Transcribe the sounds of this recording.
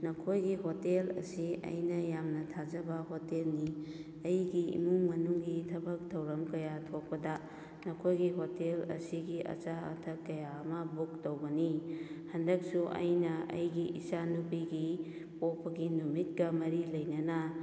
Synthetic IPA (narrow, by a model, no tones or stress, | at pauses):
nɐkʰojɡiɦotelɐ̰siɐ̰jnɐjamnɐtʰad͡ʒɐbɐɦotelni | ɐjɡiḭmuŋmɐnuŋɡitʰɐbɐk̚tʰɐwɾɐmkɐjatʰok̚pɐdɐ | nɐkʰojɡiɦotelɐ̰siɡiʔɐ̰t͡ʃaɐ̰tʰɐkːɐjaːmɐbuk̚towɡɐnihɐndɐk̚suʔɐ̰jnɐʔɐ̰jɡiʔisanupiɡi | popɐɡinumit̚ɡɐmɐɾilɐjnɐnɐ